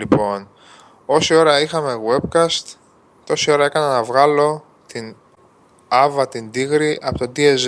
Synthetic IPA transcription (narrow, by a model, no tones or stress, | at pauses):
lipo̞n | o̞sio̞ɾɐixɐme̞ɣwe̞bkɐst̪ | o̞sio̞ɾɐe̞kɐnɐnɐvɣɐlo̞ | t̪in | ɐvɐt̪ind̪iɣɾiʔɐ̰pot̪od̪iez